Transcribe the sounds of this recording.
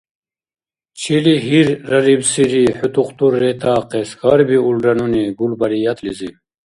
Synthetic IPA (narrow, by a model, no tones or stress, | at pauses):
t͡ɕʰiliɦiɾːɐɾibsiɾiħut̪uqt̪uɾːet̪ɑːqeskɑɾbiulɾɐnuniɡulbɐɾijɐt̪lizi